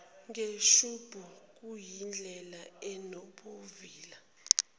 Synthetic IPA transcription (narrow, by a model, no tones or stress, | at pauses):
ŋeʃub̥ʱuk̬ʼujind͡ɮʱɛlaɛnoɓoviːla